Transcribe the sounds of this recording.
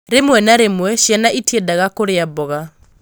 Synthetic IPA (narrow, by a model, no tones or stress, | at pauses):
ɾemwɛnaɾemwɛʃjanaʔitjedaɣakoɾeabɔɣa